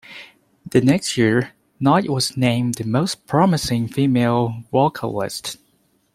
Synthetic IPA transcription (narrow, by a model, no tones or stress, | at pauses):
ðɨnɛkst̚jɪɹ | naɪʔ̚wʌznẽɪ̃mðɨmoʊspʰɹ̥ɑmɨsɪ̃ŋfimeɪlˠwɔkʰə̰lɪ̰st